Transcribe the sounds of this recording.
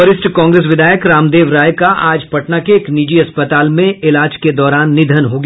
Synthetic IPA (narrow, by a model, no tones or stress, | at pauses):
əɾɪsʈkɔ̃ːŋɡɾeːs̬ʋɪd̪ʱaːjəkɾaːmd̪eːʋɾaːjkaʔaːd͡ʒpɐʈnakeːkniːd͡ʒiɐspət̪aːlmẽɪlaːd͡ʒked̪ɔːɾaːnːɪd̪ʱənɦoːɡ